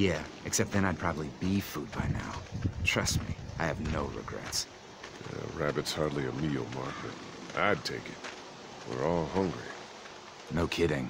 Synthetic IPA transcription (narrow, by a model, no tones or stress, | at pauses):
jæɨksɛp̚t̪̚ðɨ̃ñaɪd̚pʰɹ̥ɑbəblibifud̚baɪna̰ʊtʰɹ̥ʌst̚mḭaɪɨvnoʊɹɨ̰ɡɹɛ̰ts | ɹæbɨtshɑɹdˡliɨmil̩ˠmɑɹkɨ̰t | ʔa̰ɪd̚tʰeɪkɨt̚ | wɪ̰ɹɔlˠhʌ̃ŋɡɹi | noʊkʰɪɾɪ̃ŋ